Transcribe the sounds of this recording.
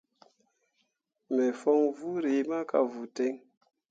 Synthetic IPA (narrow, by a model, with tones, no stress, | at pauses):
mɛ˨fɔ˦ŋvu˦ɾi˨˦ma˦ka̰˨vu˨tɛ˦ŋ